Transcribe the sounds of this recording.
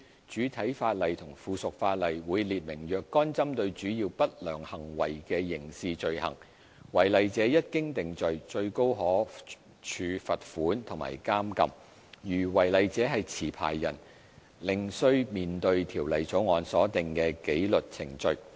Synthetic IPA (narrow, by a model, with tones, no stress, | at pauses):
t͡ʃyː˨˥t̪ʰɐ˨˥jfaː˧t̚lɐ˨jt̪ʰʊ˨˩ŋfuː˨sʊ˨k̚faː˧t̚lɐ˨jwuː˨˧jliː˨t̚mɪ˨˩ŋjœː˨kːɔː˥nt͡sɐ˥mt̪ɵ˧ɥt͡ʃyː˨˥jiː˧wpɐ˥t̚lœː˨˩ŋhɐ˨˩ŋwɐ̰˨˩jkɛː˧jɪ˨˩ŋsiː˨˧t͡ʃɵ˧ɥhɐ̰˨˩ŋ | wɐ˨˩jlɐ˨jt͡sɛː˨˥jɐ˥t̚kɪ˥ŋt̪ɪ˨ŋt͡ʃɵ˨ɥt͡ʃɵ˧ɥko˥wɦɔː˨˥ | t͡ʃʰyː˧fɐ˨t̚fuː˨˥nt̪ʰʊ˨˩ŋma̰ː˨˩jkaː˥mkɐ̰˨˧m | jyː˨˩wɐ˨˩jlɐ˨jt͡sɛː˨˥ɦɐ˨jt͡sʰiː˨˩pʰa̰ː˨˩jːɐ̰˨˩n | lɪ˨ŋsɵ˧ɥmiː˨nt̪ɵ˧ɥt̪ʰiː˨˩wlɐ˨jt͡so˨˥wŋɔː˨˧nsɔː˨˥t̪ɪ˨ŋkɛː˧ke˨˥jlɵ˨t̚t͡sʰɪ˨˩ŋt͡ʃɵ˨ɥ